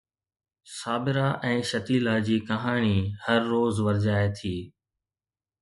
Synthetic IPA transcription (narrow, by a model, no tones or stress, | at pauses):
saːbɪɾaʔɛ̃ːʃɐt̪iːlad͡ʑiːkɐɦaːɽ̃ihɐɾːoːzʋɐɾd͡ʑaːet̪ʰiː